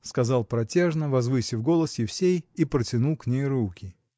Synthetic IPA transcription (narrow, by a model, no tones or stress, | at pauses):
skɐzɑlˠpɾɐtʲeʐnəvɐzvɨsʲɪfɡo̞lˠəsjɪfsʲejipɾətʲɪnulˠknʲejɾukʲɪ